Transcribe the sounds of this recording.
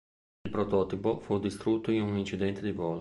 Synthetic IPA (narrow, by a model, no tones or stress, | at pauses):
ilpɾot̪ɔːt̪ipofud̪ist̪ɾut̪ːoinunint͡ʃid̪ɛnt̪ed̪ivɔːl